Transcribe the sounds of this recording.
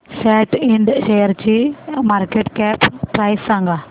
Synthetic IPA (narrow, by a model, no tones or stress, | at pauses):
sɛːʈɪɳɖʃejəɾt͡ɕimaːɾkeʈkɛːppɾaɪsãŋɡa